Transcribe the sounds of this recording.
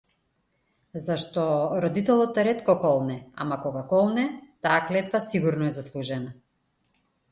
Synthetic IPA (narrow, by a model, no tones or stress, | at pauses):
zaʃt̪ɔɾɔd̪it̪ɛlˠɔt̪ːɾɛt̪kɔkɔlˠnɛa̰makɔɡakɔlˠnɛt̪aːklɛt̪vasiɡuɾnɔɛzaslˠuʒɛna